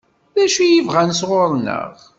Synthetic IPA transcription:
ðæʃijivʁænsʁʊɾˤnə̰ʁ

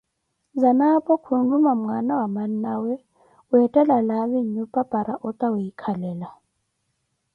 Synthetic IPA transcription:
zanapʼɔkʰunlumam̩ŋanawamannawɛ | uɛtʼɛlalaɓiɲupʼab̥ʱʼaɾaʔɔtʼawujikʰalɛːla

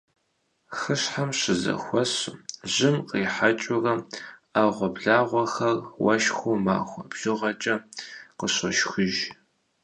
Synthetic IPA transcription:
xɨɕħamɕɪzɐ̰xʷɔɕʑɪmqiːħat͡ʃʼʊrɐaːʁʷɔbɮaːʁʷɐxɐrwɐ̰ʃxʷoma̰ːxʷɐbɮɨʁɐt͡ʃʼɐqəɕɐʃxʷʊʒ

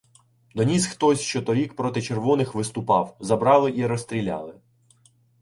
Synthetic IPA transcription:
d̪ɔnʲisxt̪ɔsʲʃt͡ʃɔt̪ɔɾʲikpɾɔt̪ɪt͡ʃerʋɔnɪxʋɪst̪ʊpɑwzɐbɾɑlˠɪʔiɾɔst̪ʲɾʲilʲɑ̰lˠɪ

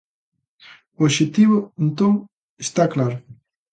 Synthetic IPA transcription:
ooʃet̪iβoent̪õŋ | est̪aklaɾʊ

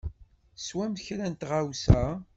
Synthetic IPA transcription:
swæmçɾænt̪ʁawsæ

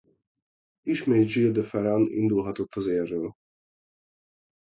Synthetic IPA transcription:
iʃmeːjd͡ʒild̪əfɛɾɑnḭnd̪ulɦɒt̪ot̪ːɒzeːrːøːl

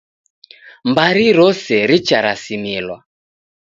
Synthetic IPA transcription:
mbaɾiɾɔsɛɾit͡ʃaɾasimilwa

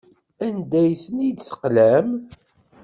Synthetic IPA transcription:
ænd̪æjθənid̪θə̥qlæm

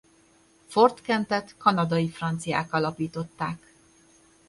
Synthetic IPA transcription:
fo̞rt̪kɛnt̪ɛt̪kɒnɒd̪ɒjifrɒnt̪sija̰ːkɒlɒpiːt̪o̞t̪ːaːk

